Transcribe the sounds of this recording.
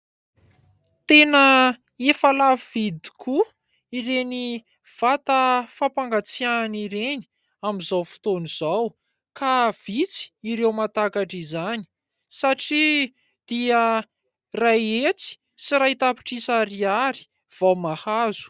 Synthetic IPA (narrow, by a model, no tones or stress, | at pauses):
t̪enə | efalavivid̪ikʰu | iɾeni | v̥at̪əfapaŋɡat͡sianiɾeni̥ | amizawfi̥t̪oniz̥aw | kav̥it͡si̥iɾewmat̪akaʈ͡ʂizani̥ | saʈ͡ʂi | d̪̥iə | rajet͡si̥ | siɾait̪api̥ʈ͡ʂisaɾiaɾi̥ | v̥awmahazu̥